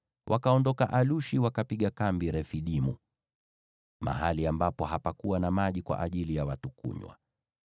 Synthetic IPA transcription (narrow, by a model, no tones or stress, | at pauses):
wʔakaɔndɔka̰ʔaluʃiwakapiɠakambiɾɛfiɗimṵ | ma̰ɦaliambapɔɦapakuwanamaʄikwa̰ʔaʄilijawatukṵɲwa̰